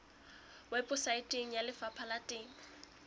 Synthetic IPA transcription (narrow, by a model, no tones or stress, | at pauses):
wɛpʼʊsaitʼɪŋ̩jalɪfapʰalatʼɪːŋ̩